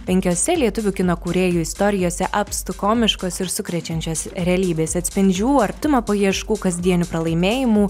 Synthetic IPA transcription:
pʲɛŋʲkʲoːsʲɛlʲiɛt̪ʊʋʲʊkʲɪnoːkuːɾʲeːjuːɪst̪oːɾʲɪjoːsʲɛʔɐpst̪ʊkoːmʲɪʃkoːsɪɾsʊkɾʲɛt͡ʃʲɛnʲt͡ʃʲoːsɾʲɛɐlʲiːbʲeːsɐt̪ʲsʲpʲɪnʲd͡ʒʲuːɾt̪ʊmɐpoːjiɛʃkuːkɐzʲd̪ʲiɛnʲʊpɾɐlˠɐɪmʲeːjɪmuː

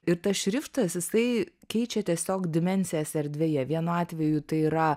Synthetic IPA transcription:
ɪɾt̪ɐsʃʲɾʲɪft̪ɐsjɪsɐɪkʲɛɪt͡ʃʲɛt̪ʲiɛsʲoːkd̪ʲɪmʲɛnʲsʲɪjæsɛɾʲd̪ʲʋʲeːjɛʋʲiɛnʊɑːt̪ʲʋʲɛjut̪ɐɪiɾɐ

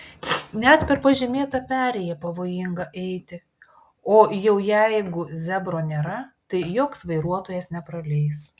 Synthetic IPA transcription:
nʲɛt̪pʲɛɾpɐʒʲɪmʲeːt̪ɐpʲæːɾʲɛjɛpɐʋoːjɪŋɡɐʔɛɪt̪ʲɪ | oːjɛʊjɛɪɡʊzʲæbɾoːnʲeːɾɐt̪ɐɪjoːksʋɐɪɾuɔt̪oːjɛsnʲɛpɾɐlʲɛɪs

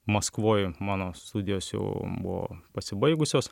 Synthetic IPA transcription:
mɐskʋoːjmɑːnoːst̪ud̪ʲɪjoːsjɛ̰ʊbʊ̰ʋo̰ːpɐsʲɪbɐɪɡʊsʲoːs

